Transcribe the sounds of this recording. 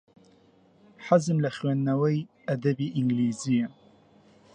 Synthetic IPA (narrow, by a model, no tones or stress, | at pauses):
ħazəmlaxwanːawajʔad̪abiʔɪŋɡliːzɪjːa